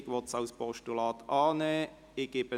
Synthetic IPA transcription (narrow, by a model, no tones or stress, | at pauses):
ɡʋɔtsaʊspɔʃtulɑːt̪ʰɑːneː | ɪɡebə